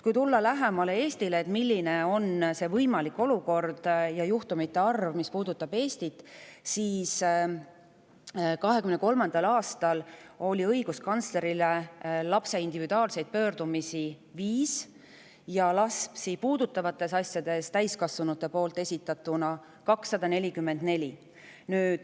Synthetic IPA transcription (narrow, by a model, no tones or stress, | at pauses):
kujt̪ulːɑlæɦe̞mɑle̞e̞ːst̪ileːt̪milʲːine̞o̞nse̞vɤjmɑlikːˑo̞luko̞rd̪̥jɑjuht̪umit̪ːˑe̞ɑrvmispuːd̪ut̪ːˑɑb̥e̞ːst̪it̪ːˑsiːs | kɑɦekymneko̞lmɑnd̪̥ɑlɑːst̪ɑlo̞lʲiɤjɡ̥uskɑnt̪sle̞ɾile̞lɑpse̞ind̪̥ivid̪uɑːlse̞jd̪̥̚pø̞ːɾd̪̥umisi | viːs | jɑlɑspsipuːd̪̥ut̪ːˑɑvɑt̪ːˑe̞sɑsjɑd̪̥e̞st̪æjskɑsvunut̪ːˑe̞po̞ːlt̪ːˑe̞sʲit̪ːˑɑt̪ːˑunɑ | kɑksːɑd̪̥ɑne̞lʲikymːe̞nd̪ne̞lʲi | nyːd̪̥